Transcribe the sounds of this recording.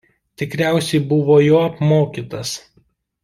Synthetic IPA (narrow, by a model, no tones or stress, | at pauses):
t̪ʲɪkɾʲæˑʊsʲɛɪbʊʋoːjoːɐpmoːkʲiːt̪ɐs